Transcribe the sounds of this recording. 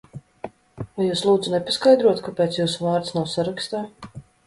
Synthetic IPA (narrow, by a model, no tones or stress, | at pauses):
vajuːslˠuːd̪zunɛpaskajd̪ɾuɔt̪kapeːt̪sjuːsuvaːɾt̪snawsaɾakst̪aː